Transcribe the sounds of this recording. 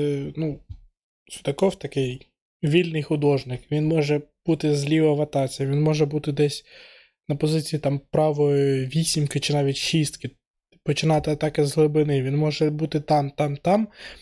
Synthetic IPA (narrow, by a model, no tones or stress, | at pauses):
nu | sʲʊd̪ɐkɔwt̪ɐkɪj | ʋʲilʲnɪjxʊd̪ɔʒnɪkʋʲinmɔʒɛb̥ut̪ɪzʲlʲiʋɐʋɐt̪ɑt͡sʲijɐʋʲinmɔʒɛbut̪ɪd̪ɛsʲ | nɐpɔzɪt͡sʲijit̪ɑmpɾɑʋɔjɔʋʲisʲimkɪt͡ʃɪnɑʋʲitʲʃist̪kɪ | pɔt͡ʃɪnɑt̪ɪɐt̪ɑkɪzɦlˠɪbɪnɪʋʲinmɔʒɛbut̪ɪt̪ɑmt̪ɑmt̪ɑm